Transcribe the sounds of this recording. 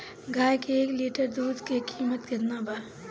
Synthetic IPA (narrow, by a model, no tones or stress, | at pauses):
ɡʱaːjkeeːkliːʈəɾd̪uːd̪kekiːmət̪kɐɾnaːba